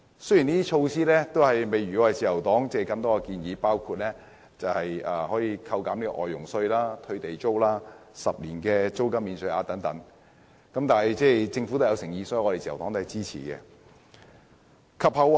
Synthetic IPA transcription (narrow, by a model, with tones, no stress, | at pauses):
sji˨˩niː˥i˥t͡ʃʰo˧wsiː˥lɛː˥t̪o˥whɐ˨jme˨˧jɥy˨˩kɔː˨˥hɐ˨jt͡siː˨˩jɐ˨˩wt̪ɔː˨˥ŋt͡sɛː˥˨jkɐ˧mt̪ɔː˥kɐ˧kiː˧njiː˨˧paː˥wkʰuː˧t̚lɛ˥ | t͡sɐ˨whɐ˨jɐː˧hɔː˨˥jiː˨˧kʰɐ˧wkaː˨˥mli˥kɔ̰˧ʔɔ̰ː˨˩jːʊ˨˩ŋsɵ˧ɥlaː˥t̪ʰɵ˧ɥt̪e˨jt͡so˥wlaː˥sɐ˨p̚liː˨˩nkɛː˧t͡so˥wkɐ˥miː˨nsɵ˧ʔaː˨˧˥t̪ɐ˨˧˥ŋt̪ɐ˨˧˥ŋ | kɐ˨˥mt̪aː˨nhɐ˨jt͡sɛː˥˩t͡sɪ˧ŋfu˧˥t̪ːjɐ˨˧wsɪ˨˩ŋjiː˨˧sɔː˨˦˥jŋːɔ˧e˨˩t͡siː˨˩ɐ̰˨˩wt̪ɔː˨˥t̪o˥hɐ˨˩jt͡siː˥t͡sʰḭː˨˩kɛ̰˧ | kʰɐ˨p̚hɐ˨w